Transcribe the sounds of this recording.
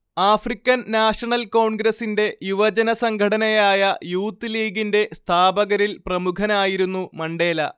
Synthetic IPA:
aːfrikʲːɐnːaːʂɐɳɐlko̞ːɳɡɾɐsinde̞juʋɐd͡ʑɐnɐsɐŋɡʱɐɽɐnɐjaːjɐjuːt̪ːiliːɡinde̞st̪ʰaːbɐɣɐɾilprɐmukʰɐnaːjiɾunːumɐɳɖe̞ːlɐ̰

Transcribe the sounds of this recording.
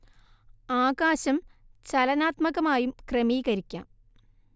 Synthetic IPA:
aːkaːɕɐmt͡ɕɐlɐnaːt̪mɐɣɐmaːjumkremiːɣɐɾikʲːa̰ːm

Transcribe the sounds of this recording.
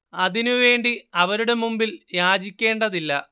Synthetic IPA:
ɐðinuʋe̞ːɳɖiɐʋɐɾuɽe̞mumbiljaːd͡ʑikʲːe̞ːɳɖɐðilːɐ

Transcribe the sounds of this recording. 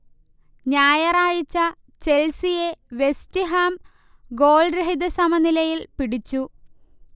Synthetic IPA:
ɲaːjɐraːɻit͡ɕːɐ | t͡ɕe̞lsije̞ʋe̞stiɦaːm | ɡo̞ːlɖɾeɦid̪ɐsɐmɐnilɐjilpiɽit͡ɕːu

